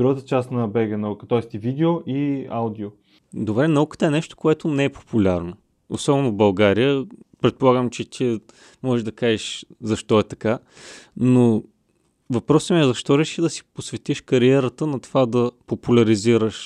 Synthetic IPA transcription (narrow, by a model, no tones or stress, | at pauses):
d̪ɾuɡət̪ət͡ʃast̪nɐbɛɡənɐukət̪ɔɛst̪ivid̪ɛoʔiaʊd̪ʲio | d̪obɾɛnɐukə̥t̪əɛnɛʃt̪o̥koɛt̪ʊnɛɛpo̥pulʲaɾno | o̰sɔbɛnobɐlˠɡaɾijəpɾɛt̪̚polˠaɡəmt͡ʃɛt̪ʰiə | mɔʒɛʒd̪ɐkaʒɛʃzɐʃt̪ɔɛt̪ɐka | no | vɐpɾɔsəmiɛzɐʃt̪ɔɾɛʃid̪ɐsi̥posvɛt̪iʃkɐɾiɛɾət̪ənɐt̪ovad̪ɐpopulʲɐɾiziɾəʃ